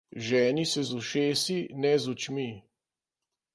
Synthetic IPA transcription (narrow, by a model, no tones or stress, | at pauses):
ʒɛːnisɛzuʃeːsinɛzut͡ʃmi